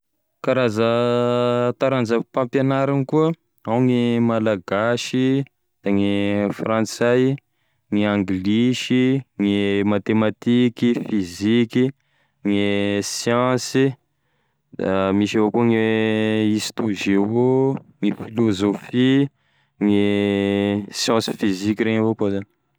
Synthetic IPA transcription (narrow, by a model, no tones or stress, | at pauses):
kaɾazə | t̪aɾand͡zəpãmpjenaɾanikuə | awŋimalaɡaʃi | d̪̥aŋifrãnt͡saj | ŋiãŋɡliʃiŋimat̪emat̪ikifiziki | ŋisjɑ̃si | d̪amiʃavokuŋi | ist̪uʒeoŋifilozofi | ŋi | sjɑ̃si̥fizikiɾeɲavokozani